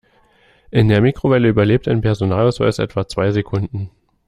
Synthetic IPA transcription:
ʔɪndeːɐmiːkʁ̥ovɛləyːbɐleːp̚taɪnpʰɛɐzonaːlaʊsv̥a̰ɪsʔɛ̰tv̥at͡sv̥aɪzekʰʊndn̩

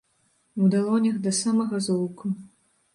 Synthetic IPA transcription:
ud̪alˠɔnʲɐɣd̪ɐsamɐɣɐzɔwku

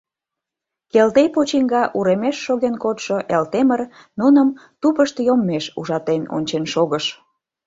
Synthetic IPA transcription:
kelt̪ejpot͡ɕiŋɡɑʔuɾemeʃːoɣenkot̪ʃoʔelt̪emər | nunəmt̪upəʃt̪jomːeʃṵʒɑt̪eno̰nʲt͡ɕenʃoɣəʃ

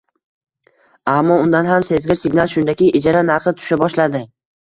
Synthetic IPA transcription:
amːɒʊnd̪anɦamse̞zɡʲɪɾsɪɡʲnalˠʃʊnd̪akʲɪʔɪd͡ʒaɾanaɾχɨt̪ʰʊ̥ʃabɒʃlad̪ɪ

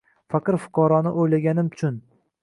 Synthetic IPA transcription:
faqɨɾfʊ̥qʰɒɾɒnɪʔojlaɡʲanɪmt͡ʃʰʊn

